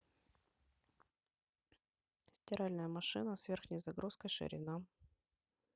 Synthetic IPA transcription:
sʲtʲɪɾalʲnəjəmɐʂɨnəsvʲerxnʲəjzɐɡɾuskəjʂɨ̰ɾʲɪ̰na

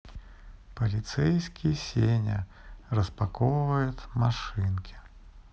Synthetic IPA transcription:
pɐlʲit̪sɛjsʲkʲisʲenʲɐ̰ | rɐspakɔwvɐjut̪ʲmaʂɨnkʲi̥

